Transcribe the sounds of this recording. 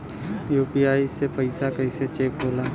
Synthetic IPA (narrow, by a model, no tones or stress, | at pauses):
juːpiaːisepəɪsakəɪset͡ʃeːkboːlaː